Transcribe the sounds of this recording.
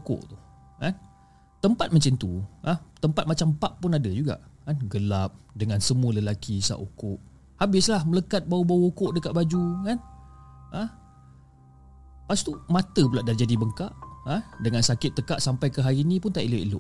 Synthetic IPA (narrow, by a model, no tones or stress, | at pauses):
ko̰ʔt̪u | kan | t̪əmpat̪̚mə̃ɲt͡ʃənt̪uʔaht̪əmpat̪̚mat͡ʃampaʔpːʊnadəd͡ʒuɡa̰ʔkanɡəlap̚dəŋãnsəmuələlakisa̰ʔokʊʔ | habɪslahmələkat̪̚bawubawəokʊʔdəkaʔ̚bad͡ʒukan | əh | past̪umãt̪əp̬ulaʔdard͡ʒadibəŋkaʔadəŋansakɪt̪ːəkaʔsampajkəɦaɾiːnĩpʊnt̪aʔiluʔḭlʊ̰ʔ